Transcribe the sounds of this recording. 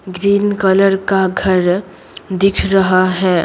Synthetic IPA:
ɡɾiːnkələɾkaɡʱəɾ | d̪ɪkʰɾɐɦaɦɛː

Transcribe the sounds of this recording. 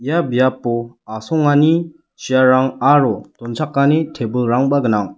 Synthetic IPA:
ijabijapːɔasɔŋani | sijaɾaŋaɾɔtɔnt͡ʃʰakːanetʰebɯlɾaŋbaɡɯnaŋ

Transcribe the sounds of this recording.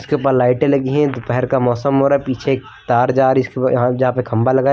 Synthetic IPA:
ɪskeupalaːɪʈẽlɐɡeɦɛ̃d̪pɛɦɛɾkamɔːsəmɦoːɾapiːt͡ʃʰek | t̪aːɾd͡ʒaːɾɪskejɐɦãd͡ʒɐɦãpekʰɐ̃mbalɐɡaː

